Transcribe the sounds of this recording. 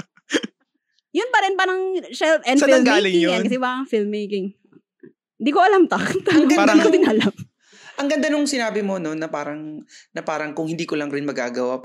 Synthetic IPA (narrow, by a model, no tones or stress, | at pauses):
jʊnpɐɾɛnpɐnɐŋʃɛlt̪ʔɛnsɐfɪlɡaːlɪŋjojakɐs̬ɛbaɐŋfɪlmːejkɪŋ | ɪnd̪iːkoʔɐlamt̪ɐt̪aankomɪnalam | ʔɐŋɡɐnd̪anoŋsɪnaːbɪmononɐpaːɾɐŋ | nɐpaːɾɐŋkʊŋhɪnd̪iːkolɐŋɾɪnmɐɡa̰ːɡɐwap